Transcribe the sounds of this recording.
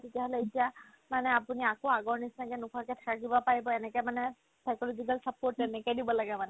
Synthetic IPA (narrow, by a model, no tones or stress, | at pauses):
tetijaɦolɛitija | manɛapuniakoaɡɔɹnisnakɛnʊkʰɔkɛtʰḁkaɡibɔpaɹibɔɛnɛkɛmanɛ | sakɔlozikalsapoɹtɛnɛkɔjdibɔlaɡɛmanɛ